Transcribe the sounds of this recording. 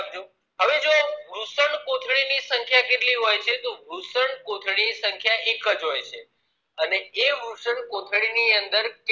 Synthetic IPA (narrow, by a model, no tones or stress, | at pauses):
d͡ʒo | ɦəʋed͡ʒoɾusəɳkot̪ʰɭinisəŋkʰjaket̪liɦojt͡ʃʰet̪oɾusəɳkot̪ʰɭinisəŋkʰjaʔekəd͡ʒɦojt͡ʃʰe | əneeʋusəɳkot̪ʰɭiniənd̪əɾk